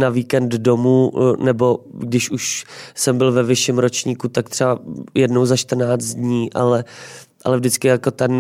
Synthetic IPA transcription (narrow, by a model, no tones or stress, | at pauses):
naviːkɛnddomuːnɛbo̞ɡdɪʃuʃsɛmbɪlvɛvɪʃɪmɾo̞t͡ʃɲiːkut̪akt̪r̥ɛbajɛdno̞wzaʃt̪r̩naːt͡st̪dɲiːʔa̰lɛʔa̰lɛvdɪt͡skɪjako̞t̪ɛn